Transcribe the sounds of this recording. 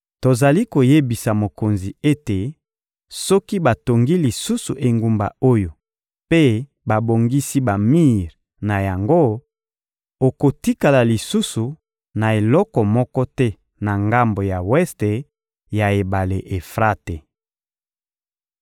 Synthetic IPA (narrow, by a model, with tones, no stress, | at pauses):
to˨za˨li˦ko˨je˦bi˨sa˨mo˨ko˨nzi˨e˦te˨ | sɔ˦ki˦ba˨to˨ŋɡi˦li˨su˦su˨ʔe˨ŋɡu˨mba̰˨o˦jo˨ | pe˦ | ba˨bo˨ŋɡi˦si˦ba˨mi˦ʁ | na˨ja˨ŋɡo˦ | o˨ko˨ti˦ka˨la˨li˨su˦su˨ | na˨e˨lɔ˦kɔ˨mɔ˦kɔ˦tɛ˦ | na˨ŋɡa˦mbo˨ja˨wɛ˦ste˨ | ja˨e˨ba˨le˨ʔe˨fʁa˦te˨